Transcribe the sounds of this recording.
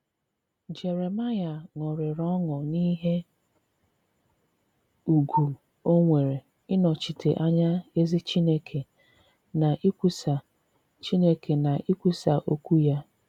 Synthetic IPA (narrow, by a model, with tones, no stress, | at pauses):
d͡ʒe˨ɾe˨ma˦ja˨ŋɔ˨ɾɪ˨ɾɔ˦ŋʊ˨ni˦ɦe˦ | u˨ɡʷu˨ | o˦ŋʷe˨ɾe˨ | ɪ˦nɔ˨t͡ʃi˨tʰe˨ʔa˦ɲa˦e˦zi˦t͡ʃi˦ne˦kʰe˨ | na˨ʔi˦kʷu˦sa˨ | t͡ʃi˦ne˦kʰe˨na˨ʔi˦kʷu˦sa˨ʔo˦kʷu˦ja˦